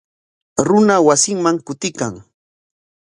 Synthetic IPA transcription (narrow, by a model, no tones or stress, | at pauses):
ɾʊnawasɪŋmaŋkʊt̪ɪkaŋ